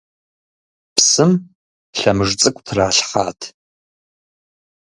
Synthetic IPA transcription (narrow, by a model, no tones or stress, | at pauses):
pʰsɨm | ɬɐmɨʐt͡sʼɨkʷʼtʰraːɬħaːtʰ